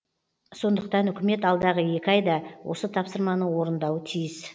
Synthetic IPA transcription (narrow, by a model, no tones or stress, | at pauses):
so̞nd̪əqt̪ɑnʏkʲɪme̞t̪ɑlˠd̪ɑʁəje̞kʲɑjd̪ɑwʔo̞̰sət̪ʰɑpsəɾmɑnəwo̞ɾənd̪ɑwət̪ʰijɪs